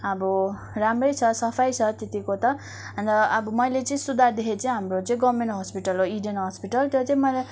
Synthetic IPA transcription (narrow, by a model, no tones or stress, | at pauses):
ʌbʌ | ramrʌjt͡sʰʌsʌpʰajt͡sʰʌt̪et̪ikot̪ʌ | ʌnd̪ʌːbʌmʌjlet͡sʌĩsud̪ard̪ekʰet͡sãĩɦamrot͡saĩɡʌmenɦʌspiʈʌloiɖenɦʌspiʈʌlt̪jot͡sʌ̃ĩmʌla